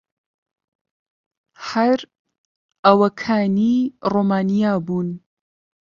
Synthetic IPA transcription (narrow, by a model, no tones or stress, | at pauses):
hɐɾ | ʔɐwɐkʰaːniroːmaːnijaːbuːn